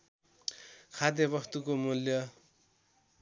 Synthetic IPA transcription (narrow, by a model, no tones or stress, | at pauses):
kʰad̪jʌbʌst̪ukomuljʌ